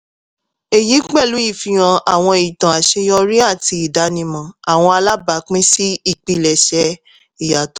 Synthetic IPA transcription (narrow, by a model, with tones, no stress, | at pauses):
e˨ji˨˦k͡pɛ˦˨lu˨˦i˦˨fi˧˨j̃ã˧a˨w̃ɔ̃˧i˨tã˨a˨ʃe˧jɔ˧ɾi˦a˦˨ti˧i˨da˨˦nĩ˧mã˨a˨w̃ɔ̃˧a˧la˦ba˨˦k͡pĩ˦si˦i˦˨k͡pi˧˨lɛ˨ʃɛ˧˦ | i˨ja˨t